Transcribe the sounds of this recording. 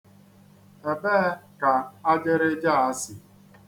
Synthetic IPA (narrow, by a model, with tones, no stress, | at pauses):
e˨beː˦ka˨a˦d͡ʒe˦ɾe˦d͡ʒa˦˨a˦sɪ˨